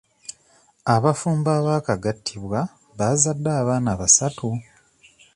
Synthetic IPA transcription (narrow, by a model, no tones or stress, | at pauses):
aβafuːmbaːβaːkaɡatʰːiβwa | βazadːaːβaːnaβasatu